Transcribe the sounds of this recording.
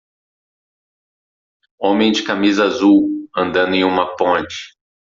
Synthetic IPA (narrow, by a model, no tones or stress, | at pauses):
õmẽj̃d͡ʒɪkamizɐazuwɐ̃nd̪ɐ̃nd̪ʊẽj̃ũmɐpõt͡ʃɪ̥